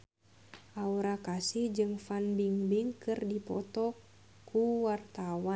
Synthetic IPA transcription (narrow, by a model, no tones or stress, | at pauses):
ʔauɾakasihd͡ʒɨŋfanbiŋbiŋkɨrdipɔt̪ɔ | kuwart̪awa